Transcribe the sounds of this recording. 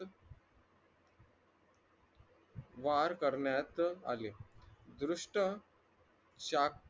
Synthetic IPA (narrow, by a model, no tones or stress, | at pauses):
ʋaɾkəɾɳjat̪a̰led̪ɾuʂʈə | ɕa